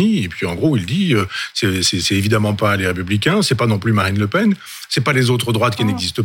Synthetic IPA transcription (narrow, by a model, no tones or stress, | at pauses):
iepɥiɑ̃ɡʁoild̪iøsɛsɛsɛevid̪amɑ̃paleʁepyblik̬ʲɛ̃sɛpanɔ̃plymaʁinləpɛn | sɛpalezot̪χəd̪ʁwat̪̚kʲinɛɡzist̪ə